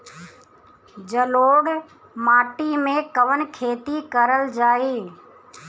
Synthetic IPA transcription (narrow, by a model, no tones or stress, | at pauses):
d͡ʒəloːɽ | maːʈimẽkəʋənkʰeːt̪ikəɾəld͡ʒaːiː